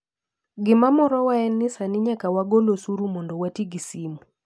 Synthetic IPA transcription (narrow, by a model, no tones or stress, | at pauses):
ɡɪmamɔɾɔwaɛnːɪsanɪɲakawaɡolosuɾumɔndɔwatiɡisimu